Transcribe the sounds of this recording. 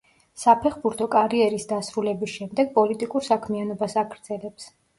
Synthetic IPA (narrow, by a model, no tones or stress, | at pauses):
sapʰɛχbuɾt̪ʰɔkʼaɾiɛɾisd̪asɾulɛbisʃɛmd̪ɛɡ̚pʼɔlit̪ʼikʼuɾsakʰmianɔbasaɡɾd̪z̥ɛlɛps